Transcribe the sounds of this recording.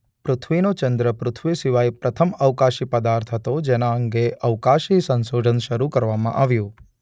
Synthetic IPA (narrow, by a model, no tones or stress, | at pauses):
pɾʊt̪ʰʋinot͡ʃənd̪ɾəpɾʊt̪ʰʋisiʋajpɾʔət̪ʰəməʋkaʃipəd̪aɾt̪ʰɦət̪od͡ʒɛnaəŋɡeʔəʋkaʃisənsod͡ʒənʃəɾukəɾʋamã̰ʔaʋjũ